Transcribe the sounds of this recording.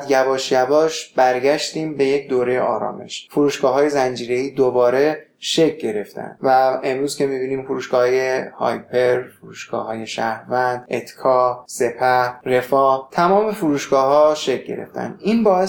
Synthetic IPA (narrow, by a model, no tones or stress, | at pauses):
d̪jæbɒːʃjæbɒːʃb̥æɾɟæʃt̪iːmbe̞je̞cd̪oːɾe̞jeʔɒ̰ːɾɒ̰ːme̞̰ʃfuɾuːʃɡ̥ɒːɦɒːje̞zænd͡ʒiːɾe̞iːd̪obɒːɾe̞ | ʃe̞c̚ʰɟe̞ɾe̞ft̪ʰæ̰nd̪væe̞mɾuːzkʰʲe̞mibiːniːmfuɾuːʃɡ̥ɒːhɒːje̞hɒ̰ːjpʰe̞ɾfuɾuːʃɡ̥ɒ̰ːhɒːje̞ʃæhɾvænd̪̥ʔe̞t̪ʰkʰɒːse̞pʰæhre̞fɒːt̪ʰæmɒːme̞fuɾuːʃɡɒːɦɒːʃe̞c̚ʰɟe̞̰ɾe̞̰ft̪ʰæ̰nd̪iːnbɒːe